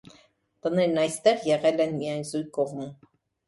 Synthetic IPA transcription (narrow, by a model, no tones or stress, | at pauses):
t̪ənɛɾnɑjst̪ɛʁjɛʁɛlɛnmijɑjnzujkoʁmum